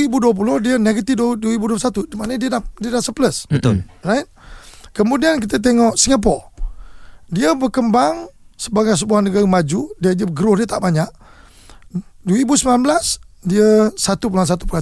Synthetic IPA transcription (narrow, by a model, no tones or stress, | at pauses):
ibuduəp̬ulʊhdiəneɡət̪idduəibuduəpsat̪udimanədiədadiədahsəpləsbət̪olraɪt̪̚kəmudiankit̪ət̪̬eŋɔʔsiŋap̬ɔ | diəbərkəmbaŋsəbaɡajs̬əbuahnəɡaɾimad͡ʒudiədiəɡəɾʊhdiət̪aʔbaɲaʔ | duibusəmnanbəlasdiəsat̪up̬ulans̬at̪u̥pula